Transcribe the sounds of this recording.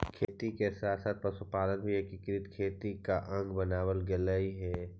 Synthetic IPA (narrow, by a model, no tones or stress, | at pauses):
kʰeːt̪ikesaːt̪ʰsaːt̪̚ʰpɐsupaːlənɦiekikɪɾɪt̪kʰeːt̪ikaʔɐ̃ŋɡbɐnaːwəlɡɛləiɦɛː